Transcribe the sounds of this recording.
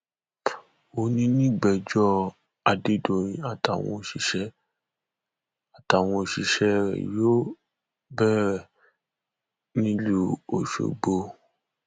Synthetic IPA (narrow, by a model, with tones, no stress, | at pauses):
o˨˦nĩ˧nĩ˦ɡ͡bɛ˨d͡ʒɔ˦ | a˨de˦do˨ɾ̃ĩ˧a˦˨ta˨w̃ɔ̰̃˧˨ʃi˨ʃɛ˧ | a˨ta˨w̃ɔ̃˧o˨ʃi˨ʃɛ˧ɾɛ̰˨jo˦ | bɛ˦ɾɛ˦˨ | nĩ˦lu˦o˨ʃo̰˨ɡ͡bo˧